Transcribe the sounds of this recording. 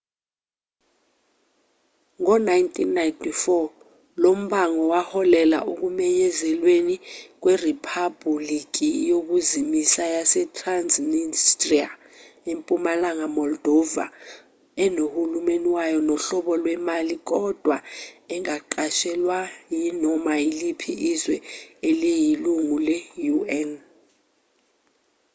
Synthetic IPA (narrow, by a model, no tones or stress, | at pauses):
ŋɔnajntʼinːajntʰʼifɔ | lom̩ɓaŋɔwahɔlɛla̰ʔuk̬umɛɲɛzɛlwenik̬wɛripʰabulik̬ʼijok̬uzimisajasɛtʰʼranzmistʼria | empʼumalaŋamɔld̥ʱɔva̰ | ɛnohulumeniwajɔnɔɬɔɓɔlwɛmalik̬ɔd̥ʱwaɛŋaǃaʃɛlwajinɔmailipʰiʔːzwɛɛlɛjiluŋulɛjuɛn